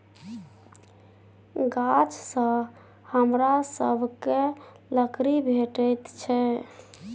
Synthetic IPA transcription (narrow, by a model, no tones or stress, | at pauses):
ɡat͡ʃsə̃ | həmɾasə̰bʱke | ləkɾibʱeʈəjt̪t͡ʃʰɛ